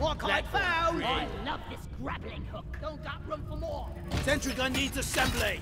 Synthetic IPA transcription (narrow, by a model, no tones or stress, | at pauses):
wɔkʰɪdfaʊaɪlʌvðɪsɡ̥ɹæblɪ̃ŋhʊkdõʊ̃nðəʔ̚ɹʌ̃ɱfə˞mɔɹ | sɛ̃ntɹiɡʌ̃nːidzəsɛ̃mble